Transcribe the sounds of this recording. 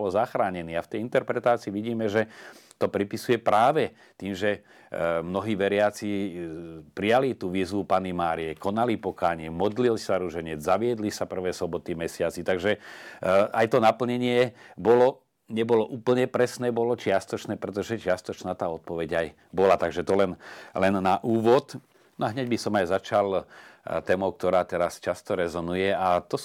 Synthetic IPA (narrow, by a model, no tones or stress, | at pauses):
ɔlzaxɾaːɲɛniːaft̪ɛjint̪ɛɾpɾɛt̪aːt͡siːʋiɟiːmɛʒɛ | t̪ɔpɾipisujɛpɾaːʋɛ | t̪iːmʒɛ | mnɔɦiːʋɛɾɪat͡siː | pɾijalit̪uːʋiːzʋupanimaːɾiɛkɔnalipɔkaːɲɪɛmɔd̪lilsaɾuʒɛɲɛd͡zzaʋɪɛd̪lisapr̩ʋɛːsɔbɔt̪imɛsɪat͡sit̪aɡʒɛ | ʔajt̪ɔnapl̩ɲɛɲɪɛbɔlɔ | ɲɛbɔlɔʔuːpl̩ɲɛpɾɛsnɛːbɔlɔt͡ʃɪast̪ɔt͡ʃnɛːpɾɛt̪̬ɔʒɛt͡ʃɪast̪ɔt͡ʃnaːt̪aːɔt̪̚pɔʋɛɟaj | bɔlat̪aɡʒɛt̪ɔlɛnlɛnːaʔuːʋɔt̪ | nɔaɦɲɛɟbisɔmajzat͡ʃalt̪ɛːmɔʊk̚t̪ɔɾaːt̪ɛɾast͡ʃast̪ɔɾɛzɔnujɛat̪ɔ